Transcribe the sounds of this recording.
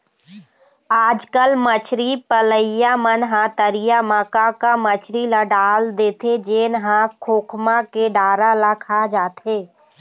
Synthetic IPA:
aːd͡ʒkəlmət͡ʃʰɾipələjamənɦãt̪əɾijamaːkakamət͡ʃʰɾilaɖaːld̪eːt̪ʰed͡ʒeːnɦãkʰoːkʰmãkeɖaːɾalakʰad͡ʒaːt̪ɦeː

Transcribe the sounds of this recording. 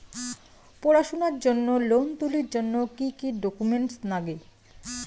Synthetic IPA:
pɔɾaʃonaɾd͡ʑonːolont̪uliɾd͡ʑonːokikiɖokumeɳʈsnaɡe

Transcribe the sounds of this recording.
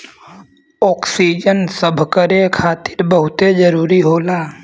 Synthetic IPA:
ɔːksid͡ʒənsəbʱkəɾekʰaːt̪ɪɾbəɦʊt̪ed͡ʒəɾuːɾiɦoːlaː

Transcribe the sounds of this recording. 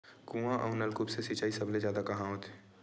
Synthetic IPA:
kũːãʔɐ̰ːnəlkupsesit͡ʃaːisɐblezjaːd̪akɐɦãɦõːt̪ʰe̥

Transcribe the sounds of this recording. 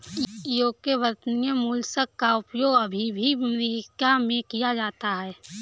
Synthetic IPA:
joːkebəɾt̪nijəmuːlsəkːaʊpjoːɡɐbʱibʱimɾiːkamẽkijad͡ʒaːt̪aɦɛː

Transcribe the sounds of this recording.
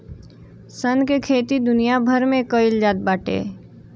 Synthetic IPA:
sənkekʰeːt̪id̪ʊnijabʱəɾmẽkəɪld͡ʒaːt̪̚baːʈḛː

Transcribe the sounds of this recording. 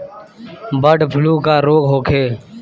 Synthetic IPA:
bəɖpʰʊluːkaːɾoːɡɦoːkʰeː

